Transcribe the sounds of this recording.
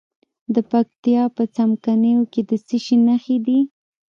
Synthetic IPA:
d̪əpakt̪ijɑpət͡samkanəjoked̪əsiʃinaxed̪i

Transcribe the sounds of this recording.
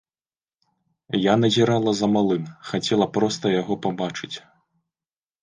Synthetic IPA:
janɐzʲiɾalˠɐzɐmalˠɨnxat͡sʲɛlˠɐpɾɔst̪ɐjaɣɔpabat͡ʂɨt͡sʲ

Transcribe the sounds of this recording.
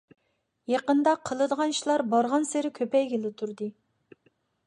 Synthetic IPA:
jeqənd̪ɑqʰːəlˠɨd̪əʁɑnʃilˠɑɾbɑɾʁɑnseɾɪkʲʰøpɛjɡʲelɪt̪ʰuɾd̪ɨ

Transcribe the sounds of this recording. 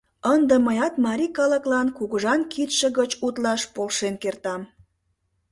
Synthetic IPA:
ənd̪əməjɑt̪mɑɾʲikɑləklɑnkuɣəʒɑnkit̪ʃə̆ɣət͡ɕut̪lɑʃpolʃenkert̪ɑm

